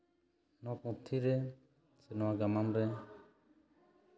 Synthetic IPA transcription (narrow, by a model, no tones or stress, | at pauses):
nɔpũt̪ʰːiɾɛ | sinwaɡamanɾɛ